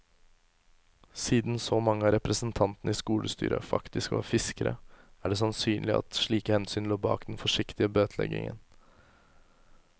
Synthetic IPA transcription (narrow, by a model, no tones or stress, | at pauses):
siːd̪n̩sɔmɑŋːəɑːɾɛpɾəsn̩t̪ʰɑnt̪n̩əiːskuːlʔəst̪y̰ːɾə̰fɑ̰kt̪ɪskʋɑ̰ːfɪskəɾəæɖeːs̬ɑnsyːnlɪɑ̰t̪ʂɭiːkəhɛnsyːnloːbɑ̰ːkd̪ɛnfɔʂɪkt̪ɪəbøːt̪ʰlɛ̰ɡɪ̰ŋə̰n